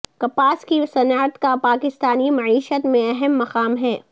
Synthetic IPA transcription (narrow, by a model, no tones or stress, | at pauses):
kɐpaːskisɐnaːt̪kapaːkɪst̪aːnimɐʕiːʃət̪mẽɐɦɛmːɐqaːmɦɛː